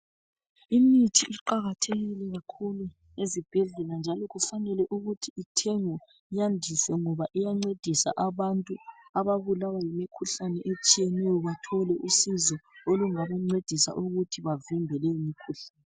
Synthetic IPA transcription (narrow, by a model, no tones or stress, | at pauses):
imitʰiʔiǃaɣatʰeɣilɛɣakʰulu | ezib̥ʱɛɮɛland͡ʒʱalɔɣufanɛlɛʔuɣutʰiitʰeŋɔ | jandʱisɛŋɔβaʔijaŋ͡ǀed̥ʱisa̰ʔaβantʼuaβaβulawajimikʰuɬanɛʔet͡ʃʼijɛnɛjɔβatʰɔlɛʔusizɔoluŋaβaŋ͡ǀed̥ʱisa̰ʔuɣutʰiβavimbʱɛlɛjimikʰuɬaːnɛ